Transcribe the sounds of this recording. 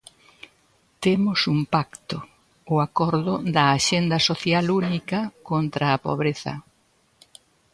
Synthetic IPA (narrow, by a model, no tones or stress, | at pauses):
t̪emʊsumpakt̪ʊ | ʊakɔɾðʊd̪ɐːʃend̪ɐsoθjalunikɐkont̪ɾɐːpo̰βɾeθɐ̰